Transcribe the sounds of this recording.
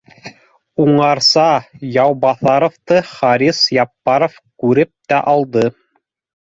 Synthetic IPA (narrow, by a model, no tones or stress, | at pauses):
uɴɑɾsɑjɑwbɑθɑɾŏft̪ɤχɑɾisjɑpːɑɾofkʉɾɘp̚t̪æ̰ʔɑlˠd̪ɤ